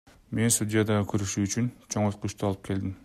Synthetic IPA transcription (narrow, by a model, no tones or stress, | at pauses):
me̞nst̪udʲɪjad̪ɑʁɯkʰøɾyʃyːt͡ʃynt͡ʃʰo̞ŋolquʃt̪uɑlˠɯp̚kʰe̞ld̪ɪm